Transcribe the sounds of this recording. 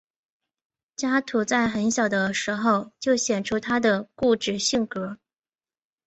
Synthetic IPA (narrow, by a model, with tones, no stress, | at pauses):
t͡ɕja˥t̪ʰu˧˥t͡sa˥˩ɪxə˧˥nɕjɑ˨˩ʊd̪ə˦ʂɻ̩˧˥xo˥˧ʊt͡ɕjo˥˩ʊɕjɛ˨˩nʈ͡ʂʰu˥t̪ʰa˥d̪ə˨ku˥˩ʈ͡ʂɻ̩˥˩ɕi˥˩ŋkɤ˧˥